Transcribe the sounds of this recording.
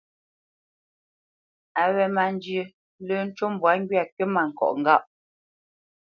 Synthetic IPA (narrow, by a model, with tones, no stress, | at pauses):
a˨wɛ˨ma˨n˦d͡ʒjə˨ | lə˦n̩˦t͡ʃo˦m˦bwa˨˦ŋ˦ɡɥi˦a˨kə˦ma˨ŋ̩˨kɔ̰˨ʔŋ̩˨ɡa˦˨ʔ